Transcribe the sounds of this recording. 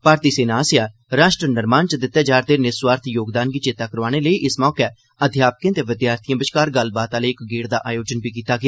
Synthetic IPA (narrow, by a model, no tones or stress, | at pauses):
paːɾt̪iːseːnaːsɪjaː | ɾaːʃʈɾənəɾmaːnt͡ʃəd̪ɪt̪ːɛːd͡ʒaːɾt̪eːnɪsʋaːɾt̪ʰjoːɡd̪aːnɡiːt͡ʃɪt̪aːkəɾʋaːɽ̃eːləiːʔɪsmɔːkɛː | əd̪ʱjaːpəkẽːt̪eːʋɪd̪jaːɾt̪ʰijãːbɪʃkaːɾɡəlbaːt̪aːleːɪkɡeːɽd̪aːʔaːjoːd͡ʒənbiːk̬iːt̪aːɡɪaː